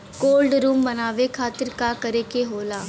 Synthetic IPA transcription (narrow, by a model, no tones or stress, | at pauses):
koːlɖɾuːmbənaːʋekʰaːt̪ɪɾkakəɾekeɦoːlaː